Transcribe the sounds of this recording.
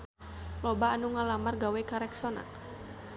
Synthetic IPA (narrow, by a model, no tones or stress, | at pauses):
lɔbaːnuŋalamarɡawɛkaɾɛksɔna̰k̚